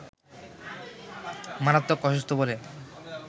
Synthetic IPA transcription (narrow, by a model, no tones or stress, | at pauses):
manat̪ːokːɔʃest̪obole